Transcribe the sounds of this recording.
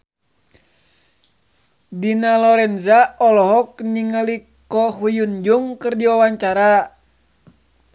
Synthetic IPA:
dinalɔɾɛnzaɔlɔɦɔk̚niŋəli | kɔɦujund͡ʒuŋkɨrdiwawaɲt͡ʃaɾa

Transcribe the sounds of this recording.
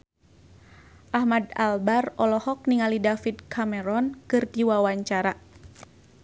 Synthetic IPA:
ʔahmadalbarɔlɔhɔk̚niŋalidafid̪̚kʰamɛɾɔnkɨrdiwawaɲt͡ʃaɾa

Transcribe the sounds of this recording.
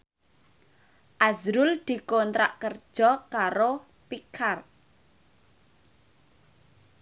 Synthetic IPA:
ʔazɾʊld̪̥i̤kɔnt̪ɾa̰ʔkərd̥ʒ̥ɔkaɾo | pikʰar

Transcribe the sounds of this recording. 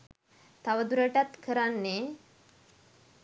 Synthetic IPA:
t̪aʋəd̪uɾəʈat̪kʰəɾanːe

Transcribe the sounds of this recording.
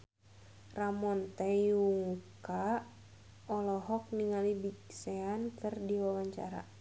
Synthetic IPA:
ramɔnt̪ɛjuŋka | ɔlɔɦɔk̚niŋalibiksɛankɨrdiwawaɲt͡ʃa̰ɾa̰

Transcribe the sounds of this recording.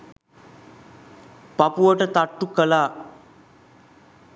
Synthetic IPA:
papuʋəʈət̪aʈːukəlaː

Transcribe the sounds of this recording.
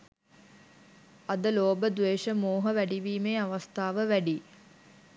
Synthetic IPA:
ɐd̪əloːbəd̪ʋeːʃəmoːɦəʋæɖiʋiːmeːaʋɐst̪ʰaːʋəʋæɖi

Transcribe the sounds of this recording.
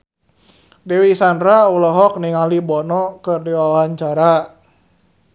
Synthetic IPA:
dɛwisandɾaulɔɦɔk̚niŋalibɔnɔkɨrdiwawawaɲt͡ʃaɾa

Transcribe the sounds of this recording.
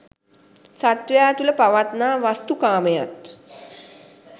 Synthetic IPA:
sat̪ʋjaːt̪uləpaʋat̪naːʋast̪ukaːməjat̪

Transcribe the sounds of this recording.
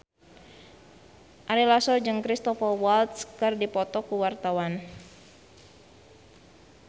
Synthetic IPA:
ʔaɾilasɔd͡ʒɨŋkɾist̪ɔfɔwalt̪skɨrdipɔt̪ɔkuwart̪awan

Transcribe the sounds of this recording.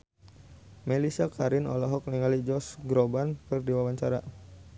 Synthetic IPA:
melisakaɾɪnɔ̰lɔɦɔk̚niŋalid͡ʒɔsɡɾobankərdiwawaɲt͡ʃaɾa

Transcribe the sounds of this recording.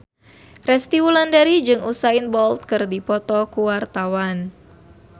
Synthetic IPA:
rɛst̪iwulandaɾid͡ʒɨŋʔusainbɔlt̪̚kɨrdipɔt̪ɔkuwart̪awan

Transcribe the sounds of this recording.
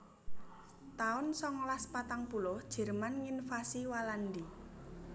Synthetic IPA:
t̪aʊnsɔŋlaspat̪aŋpulʊhd̥ʒ̥ɛ̤rmanŋinfasiwalandi

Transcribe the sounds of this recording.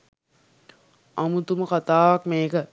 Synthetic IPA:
ɐmut̪uməkat̪aːʋakmeːkə

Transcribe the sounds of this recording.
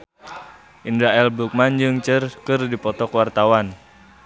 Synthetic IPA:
ʔindaɛlbuk̚mand͡ʒɨŋt͡ʃərkɨrdipɔt̪ɔkwart̪awan

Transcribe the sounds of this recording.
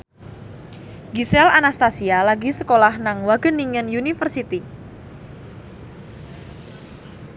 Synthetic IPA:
ɡisɛlanast̪asialaɡisəkolahnaŋwaɡ̥əniŋənjunifərsit̪i

